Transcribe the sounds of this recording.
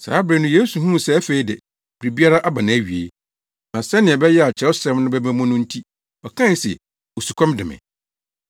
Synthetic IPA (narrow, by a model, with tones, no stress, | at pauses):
sa̰ː˨˦bɾɛ˨nʊ̃˦jeː˦su˨ɦũ˦m˨sɛ˦fe˦i˦dɪ˨ | b̥ɾi˨bi˦a˦ɾa˦ʔa˦bã˨nã˨æ˦˨ɥi˨ḛ˨ | nã˨sɛ˦nɪ̃˨ɛ˨bɛ˦jɛ˦a˨t͡ɕʰɛ˨˦ʊ˦sɛ̃˦mnʊ̃˦bɛ˦mɛ̃˦mɔ̃˦nʊ̃˦n̩˦tʰi˦ | ɔ˨kʰã˦n˨˦sɛ̰˨ | o˨su˨kʰɔ̃˦mdɪ˨mɪ̰̃˨